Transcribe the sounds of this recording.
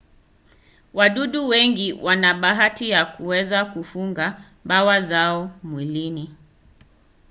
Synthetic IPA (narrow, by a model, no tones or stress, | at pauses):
waɗuɗuwɛŋɡiwʔanaɓaɦatijakuwɛzakufuŋɡa | bawazaɔmwilini